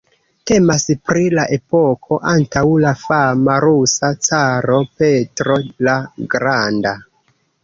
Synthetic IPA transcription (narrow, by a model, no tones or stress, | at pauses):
te̞maspɾilaʔe̞po̞kʰo̞ʔantawlafamaɾusat͡saɾo̞pe̞tɾo̞laɡɾanda